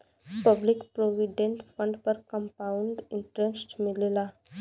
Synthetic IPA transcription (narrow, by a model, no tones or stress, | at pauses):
pəblikpɾoʋiɖẽɳʈfəɳɖpəɾkəmpauɳɖiɳʈɾesʈmilela